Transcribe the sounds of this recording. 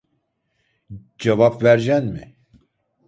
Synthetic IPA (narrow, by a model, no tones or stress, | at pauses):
d͡ʒɛvapvæɾʒɛnmi